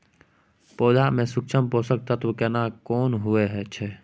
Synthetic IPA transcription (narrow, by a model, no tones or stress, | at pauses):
poːd͡ʒamẽsʊkt͡ʃʰəmpoːsək̚t̪at̪okɛnakɔːnɦʊeɦɛt͡ʃʰɛː